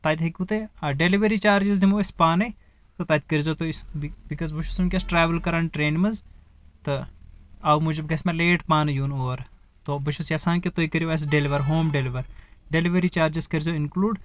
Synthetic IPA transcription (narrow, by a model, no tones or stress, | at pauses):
t̪aːt̪ɦekʲut̪eɐɖeliʋɐɾit͡ʃaːɾd͡ʒɐz̬d̪imoːispaːnɐ | t̪ɐt̪aːt̪ʲkɐɾzot̪osbikɐzbɐʃusunkʲesʈɾaːʋəlkɐɾɐnʈɾeːnmɐz | t̪ɨ | ɐwmud͡ʒɐbɡɐsmɐleːʈpaːnɐjuːnoːɾ | t̪obɐʃusjaːsaːnket̪oikɐɾioɐs̬ɖeliʋɐɾɦoːmɖeliʋɐɾɖeliʋɐɾit͡ʃaːɾd͡ʒɐskɐɾzoɪnkluːɖ